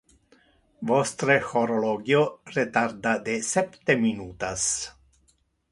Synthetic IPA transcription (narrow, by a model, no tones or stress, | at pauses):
vost̪ɾexoɾoloɡioɾet̪aɾd̪ad̪esɛpt̪eminut̪as